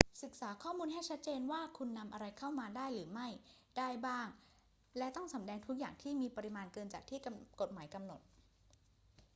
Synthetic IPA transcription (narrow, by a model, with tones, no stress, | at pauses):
sɯ˨˩k̚saː˩˦kʰɔː˥˩muː˧nɦa˥˩jt͡ɕʰa˦˥t̪̚t͡ɕeː˧nwaː˥˩kʰu˧nːa˧mʔa˧ɾa˧jkʰa˥˩wmaː˧daː˥˩jɾɯː˩˦ma˥˩j | daː˥˩jbaː˥˩ŋ | lɛ˦˥t̪ɔ˥˩ŋsa˩˦mdɛː˧ŋt̪ʰu˦˥k̚jaː˨˩ŋt̪ʰiː˥˩miː˧pa˧ɾi˧maː˧nkɤː˧nt͡ɕaː˨˩k̚t̪ʰiː˥˩ko˨˩t̪̚maː˩˦jka˧mno˨˩t̪̚